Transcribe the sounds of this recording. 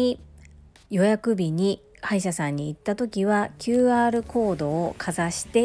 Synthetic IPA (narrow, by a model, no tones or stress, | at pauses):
i | jo̞jakɯ̟bʲiɲ̟i | haiɕasãɲ̟ːiːt̪ːat̪o̞kʲiβakʲɨːaːɾɯ̟ko̞ːd̪o̞ːkʰazaɕi̥t̪e̞